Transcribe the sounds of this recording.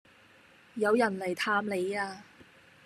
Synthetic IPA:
jɐ˨˧wjɐ˨˩nlɐ˨˩jt̪ʰaː˧mle˨˧jaː˧

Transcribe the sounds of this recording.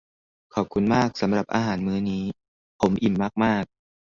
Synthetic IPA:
kʰɔː˨˩p̚kʰu˧nmaː˥˩k̚sa˩˦mɾa˨˩p̚ʔaː˧ɦaː˩˦nmɯː˦˥niː˦˥ | pʰo˩˦mʔi˨˩mːaː˥˩k̚maː˥˩k̚

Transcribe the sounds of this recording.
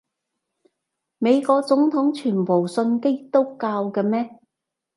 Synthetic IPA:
me˨˧jkɔː˧k̚t͡sʊ˨˥ŋt̪ʰʊ˨˥ŋt͡ʃʰyː˨˩npo˨˩wsɵ˧nke˥t̪o˥wkaː˧wkɛ˧mɛː˥

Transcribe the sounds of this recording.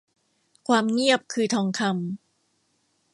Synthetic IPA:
kʰwaː˧mŋi˥˩əp̚kʰɯː˧t̪ʰɔː˧ŋkʰa˧m

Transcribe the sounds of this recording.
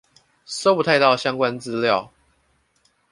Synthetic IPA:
so˥˦pu˨˩a˥˧ɪt̪ɑ˥˨ʊɕjɑ˦ŋkwa˦nt͡sɹ̩˦ljɑ˥˨ʊ

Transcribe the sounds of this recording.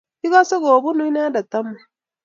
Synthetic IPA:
i˦ɡa˦so˦ɡoː˨bu˦nu˦i˦na˦da˨t̪ːa˦mːu˨

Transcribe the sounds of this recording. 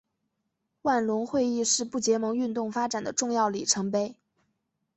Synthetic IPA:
wa˥˩nlʊ˧˥ŋxwe˥˧ɪi˥˧ʂɻ̩˥˧pu˥˩t͡ɕjɛ˧˥mɤ˧˥ŋy˥˧nt̪ʊ˥˩ŋfa˥ʈ͡ʂa˨˩nd̪ə˦ʈ͡ʂʊ˥˧ŋjɑ˥˩ʊli˨˩ʈ͡ʂʰɤ˧˥ŋpe˥˩ɪ

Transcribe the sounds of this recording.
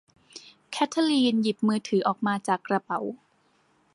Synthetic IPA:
kʰɛ˦˥t̪ʰa˧liː˧nji˨˩p̚mɯː˧t̪ʰɯː˩˦ʔɔː˨˩k̚maː˧t͡ɕaː˨˩kːɾa˧pa˩˦w

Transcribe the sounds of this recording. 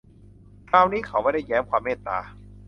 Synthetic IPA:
kʰaː˧wniː˦˥kʰa˦˩wmaː˥˩jda˥˩jːɛː˦˥mkʰwaː˧mːeː˥˩t̪ːa̰ː˧

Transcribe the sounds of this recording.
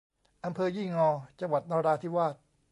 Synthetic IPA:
ʔa˧mpʰɤː˧jiː˥˩ŋɔː˧t͡ɕa˧ŋwa˨˩t̪̚nɔː˧ɾaː˧t̪ʰi˥˩waː˥˩t̪̚

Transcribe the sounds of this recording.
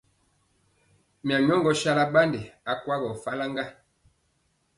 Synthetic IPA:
mja˨ɲ˦ɔ˦ŋɡɔ˨˦ʃa˦la˦ba˦nde˨a˨kwa˦ɣɔ˨fa˦la˦ŋɡa˦

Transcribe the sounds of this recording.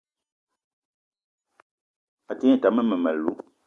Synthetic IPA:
a˨te˦˨ta˨mə˦mə˨mɛ˨lṵ˨˦

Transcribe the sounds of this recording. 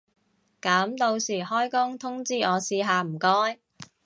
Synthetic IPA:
kaː˨˥mt̪o˧wsiː˨˩hɔː˥jkʊ˥ŋt̪ʰʊ˥ŋt͡siː˥ʔɔː˨˧siː˧ɦaː˨˧m̩˨˩kɔː˥j

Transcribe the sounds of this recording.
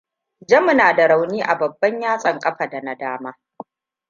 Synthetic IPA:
d͡ʒɐ˦mʊ˨naː˨da˨ɽa˨wniː˦ʔa˨bɐ˨bːɐ˦ɲjaː˦sʼɐ˨ŋkʼɐ˦ɸa˨da˨na˦daː˦maː˦

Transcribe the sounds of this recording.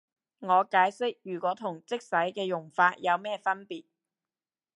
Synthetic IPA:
ŋɔː˨˧kaː˨˥jsɪ˥k̚jyː˨˩kʷɔː˨˥t̪ʰʊ˨˩ŋt͡sɪ˥k̚sɐ˨˥jkɛː˧jʊ˨˩ŋfaː˧t̚jɐ˨˧wmɛː˥fɐ˥npiː˨t̚

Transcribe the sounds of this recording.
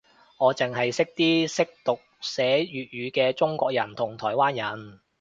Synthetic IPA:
ŋɔː˨˧t͡sɪ˨ŋɦɐ˨jsɪ˥k̚t̪iː˥sɪ˥k̚t̪ʊ˨k̚sɛː˨˥jyː˨t̚jyː˨˧kɛː˧t͡sʊ˥ŋkʷɔː˧k̚jɐ˨˩nt̪ʰʊ˨˩ŋt̪ʰɔː˨˩jwaː˥njɐ˨˩n

